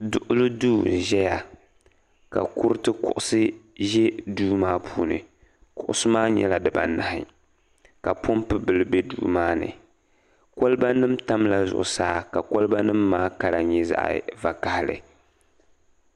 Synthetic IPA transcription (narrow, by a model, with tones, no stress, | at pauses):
dʊ˨ʔʊ˦lɨ˦duː˦ʒɛ˦ja˨ | ka̰˨kʊ˦ɾɨ˦tɨ˦kʊ̰˦˨ʔʊ˦sɨ˦ʒɛ˦duː˦maː˦pʰuː˨nɨ̰˨ | kʊ˦ʔʊ˦sɨ˦maː˦ɲɛ̰˦la˨dɨ˨ba̰˨na˨hɪ˨ | ka˨pʰo˦mpɨ˦bɨ˨lɨ˦bɛ˦dṵː˦maː˦nɨ̰˨ | ko˦lɨ˦ba˦nɨ˦mta˦mla˦zʊ̰˨ʔʊ̰˨saː˦ka˨ko˦lba˦nɨ˦mːaː˦ka˨ɾa˨ɲɛ˦za̰˦˨ʔva˨ka˨hɪ˨lɨ̰˨